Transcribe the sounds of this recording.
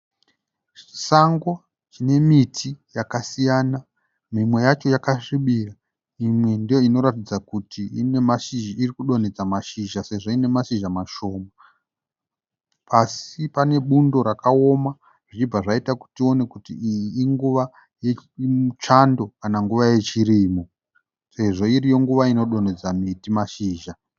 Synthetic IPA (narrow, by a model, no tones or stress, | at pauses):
i̥saŋɡwo | t͡ʃine̞mitʰijakasijaːna | mimwe̞jat͡ʃo̞jakaʂiɓira | imwe̞ndijoino̞ɾatid͡zakutʰiine̞maʃiʒiirikuɗo̞ned͡zamaʃiʒase̞ʐoine̞maʃiʒamaʃo̞ːma | pasipane̞ɓundo̞ɾakao̞ma | ʐ̥it͡ʃib͡vaʐaitaku̥tio̞ne̞kutiijiːŋɡuʋa | jeut͡ʃando̞kanaŋɡuʋaje̞t͡ʃiriːmo | se̞ʐo̞iɾijo̞ŋɡuʋaino̞ɗo̞ne̞d͡zamitimaʃiːʒa